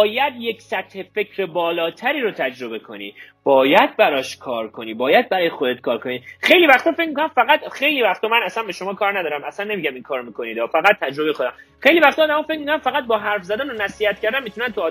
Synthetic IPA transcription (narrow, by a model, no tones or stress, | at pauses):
bːjæd̪je̞ksæt̪he̞fe̞cʰɾebɒːlɒːt̪ʰæɾiːɾot̪ʰæd͡ʒɾo̞be̞kʰo̞̰nḭː | b̥ɒːjæd̪̚bæɾɒːʃkʰɒːɾkʰo̞niːbɒːjæd̪̚bæɾɒːjexod̪et̪̚kʰɒːɾkʰo̞niːxejlivæxt̪ɔːfe̞cmikonæmfæɣæt̪xe̞jliːvæxt̪ɒmænæsænbe̞ʃo̞mɒːkʰɒːɾnæd̪ɒːɾæmæsænːe̞miːɟæminkʰɒːɾomiːkʰo̞niːd̪ɒːfæɣæt̪̚ʰːæd͡ʒɾo̞bexod̪æm | xe̞jlivæxt̪ʰɔːd̪æmɒːfe̞c̚mikonæmfæɣæt̪̚bɒːɦæɾfzæd̪æːnonæsiːhæt̪̚cʰæɾd̪æmːit̪ʰunænt̪ʰuɒː